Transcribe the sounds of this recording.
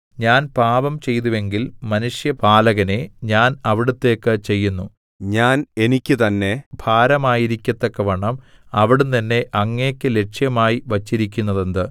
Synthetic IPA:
ɲaːnpaːbɐmt͡ɕe̞jt̪̬uʋe̞ŋɡilmɐnuʂjɐpaːlɐɣɐne̞ɲaːnɐʋiɽut̪ːe̞ːkːɨt͡ɕe̞jːunːu | ɲaːnenikʲːɨt̪ɐnːe̞bʱaːɾɐmaːjiɾikʲːɐt̪ːokːɐʋɐɳɐmɐʋiɽunt̪ɐnːe̞ʔɐŋːe̞ːkʲːɨle̞ʈʂjɐmaːjiʋɐt͡ɕːiɾikʲːunːɐðend̪ɨ

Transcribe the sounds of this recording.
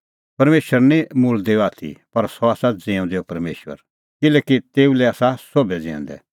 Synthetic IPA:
pɐɾmeːʃəɾnĩmʊld̪eːoaːt̪ʰḭpɐɾsɔaːsad͡zẽːũd̪eːopɐɾmḛːʃʋə̰ɾ | kɪlɛːkit̪eːulɛaːsasobɛd͡zɛ̃ɛ̰̃ːnd̪ɛ̰

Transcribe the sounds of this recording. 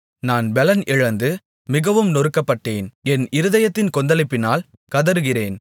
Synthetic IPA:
naːnbɛlɐnʔɪɻɐnd̪ɯ | mɪɣɐʋɯmnɔɾɯkːɐpːɐʈːeːnɛnɪɾɯðɐjɐt̪ːɪnkɔnd̪ɐlɪpːɪnaːl | kɐðɐɾɯɣɪreːn

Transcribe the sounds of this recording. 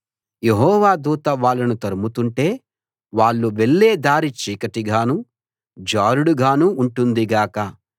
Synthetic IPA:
jeɦɔːʋaːd̪uːt̪ɐʋaːɭːɐnut̪ɐɾumut̪uɳʈe̞ː | ʋaːɭːuʋeɭːe̞ːd̪aːɾit͡ʃiːkɐʈiɡʱaːnu | d͡ʒaːɾuɽuɡʱaːnuːɳʈund̪iɡaːkɐ

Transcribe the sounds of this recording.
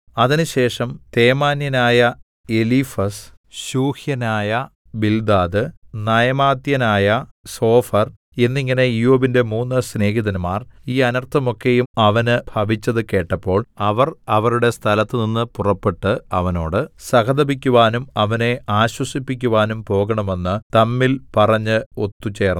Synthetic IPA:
ɐðinɨɕe̞ːʂɐmt̪e̞ːmaːnjɐnaːjɐ | e̞lifɐs | ɕuːhjɐnaːjɐ | bild̪aːðɨnɐjɐmaːd̪jɐnaːjɐso̞ːfɐr | e̞nːiŋːɐne̞ijoːbinde̞muːnːɨsne̞ːɦiðɐnumaːriːɐnɐrt̪ʰːɐmo̞kːe̞jumɐʋɐnɨbʱɐʋit͡ɕːɐðɨke̞ːʈːɐpːo̞ːɭɐʋɐrɐʋɐɾuɽe̞st̪ʰɐlɐt̪ːɨninːɨpurɐpːeʈːɨɐ̰ʋɐno̞ːɽɨsɐkɐd̪ɐbikʲːuʋaːnumɐʋɐne̞ʔaːɕwɐsipːikʲːuʋaːnumpo̞ːɣɐɳɐme̞nːɨt̪ɐmːilpɐrɐɲːɨo̞t̪ːut͡ɕe̞ːr

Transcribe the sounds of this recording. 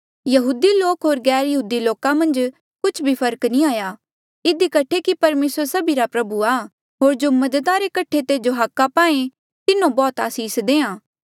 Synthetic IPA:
jɐɦuːd̪iloːkɦoːɾɡɛːɾjɐɦuːd̪iloːkamɐ̃nd͡ʒ | kʊt͡ʃʰbʱipʰɐɾəknĩaːjaː | ɪd̪ikɐʈʰekipɐɾmeːsəɾsɐbiɾapɾɐbuaː | ɦoːɾd͡ʒomɐd̪t̪aɾekɐʈʰːet̪eːd͡ʒoɦakːapãːẽ | t̪ɪnõbɔːt̪a̰ːsiːsd̪eːãː

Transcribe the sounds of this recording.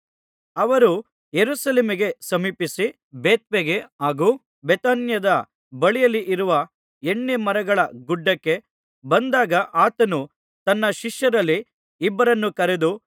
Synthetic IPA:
ɐʋɐɾu | jeɾusɐleːmiɡe̞sɐmiːpisi | beːt̪̚ʋeɡe̞aːɡu | bet̪aːnjɐd̪ɐ | bɐɭijɐlːiʔiɾuʋɐ | eɳːemɐɾɐɡɐɭɐɡuɖːɐkːe̞ | bɐnd̪aːɡɐʔaːt̪ɐnu | t̪ɐnːɐʃiʃjɐɾɐlːiː | bːɐɾɐnːukɐɾe̞d̪u

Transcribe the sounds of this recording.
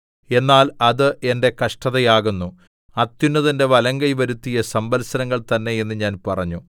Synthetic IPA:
e̞nːaːlɐðɨʔe̞nde̞kɐʂʈɐðɐjaːɣunːu | ɐt̪junːɐðinde̞ʋɐlɐŋɡɐjʋɐɾut̪ːijɐsɐmbɐlsɐnɐŋːɐɭt̪ɐnːe̞je̞nːɨɲaːnpɐrɐɲːu

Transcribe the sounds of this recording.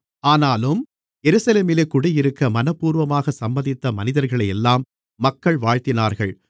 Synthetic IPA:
aːnaːlɯm | ɛɾɯsɐleːmɪleːkːʊɽɪjɪɾɯkːɐmɐnɐpːuːɾʋɐmaːɣɐsɐmbɐðɪt̪ːɐmɐnɪðɐɾɣɐɭɐɪjɛlːaːmː | ɐkːɐɭʋaːɻt̪ɪnaːɾɣɐɭ

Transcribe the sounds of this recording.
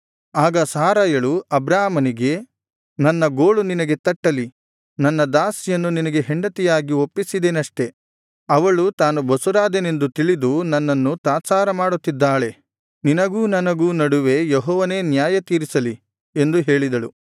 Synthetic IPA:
aːɡɐsaːɾaːjɐɭuɐbɾaːmɐniɡe̞ | nɐnːɐɡoːɭuninɐɡe̞t̪ɐʈːɐli | nɐnːɐd̪aːsjɐnːuninɐɡe̞ɦeɳɖɐt̪ijaːɡiopːisid̪enɐʂʈe̞ | ɐʋɐɭut̪aːnubɐsuɾaːd̪ɐne̞nd̪ut̪iɭid̪unɐnːɐnːut̪aːsaːɾɐmaːɽut̪ːid̪ːaːɭe̞ | ninɐɡuːnɐnɐɡuːnɐɽuʋe̞jeɦɔːʋɐne̞ːnjaːjɐt̪iːɾisɐli | e̞nd̪uɦe̞ːɭid̪ɐɭṵ

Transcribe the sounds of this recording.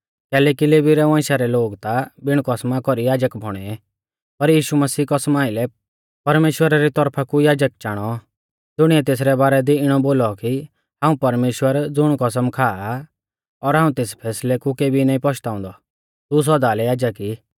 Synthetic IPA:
kɛːlɛːkileːbiɾɛʋãːʃaɾɛloːɡt̪abɪɽ̃kɔsmakɔɾijaːd͡ʒəkbʱɔɽ̃ɛɛ | pɐɾjiːʃumɐsiːkɔsmaːɪlɛ | pɐɾmeːʃwəɾaɾit̪ɔɾpʰakujaːd͡ʒək̚t͡ʃaːɽ̃ɔ | d͡zʊɽ̃iɛt̪eːs̬ɾɛbaːɾɛd̪iɪɽ̃ɔboːlɔki | ɦãːũpɐɾmeːʃwəɾd͡zʊɽ̃kɔs̬əmkʰaːa | ɔɾɦaːũt̪eːspʰɛːslɛkukeːbʱinaːĩpɔt͡ʃʰt̪aːʊ̃nd̪ɔ | t̪us̬ɔd̪aːlɛjaːd͡ʒəki

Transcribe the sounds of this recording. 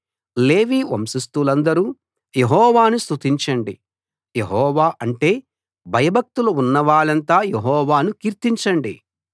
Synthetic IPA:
le̞ːʋiːʋɐmsist̪ulɐnd̪ɐɾuː | jeɦɔːʋaːnust̪ʰut̪iɲt͡ʃɐɳɖḭ | je̞ɦɔːʋaːʔɐɳʈe̞ː | bʱɐjɐbʱɐk̚t̪uluunːɐʋaːɭɐnt̪aːjeɦɔːʋaːnukiːɾt̪iɲt͡ʃɐɳɖi

